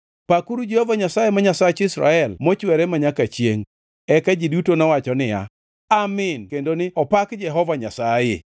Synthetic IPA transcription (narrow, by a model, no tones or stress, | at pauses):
pakuɾud͡ʒɛhovaɲasajemaɲasat͡ʃɪsɾa̰ɛlmɔt͡ʃwɛɾɛmaɲakat͡ʃjeŋ | ɛkad͡ʒidutonɔwat͡ʃɔnɪja̰ | amɪnkendonɪɔpakd͡ʒɛɦɔvaɲasajḛ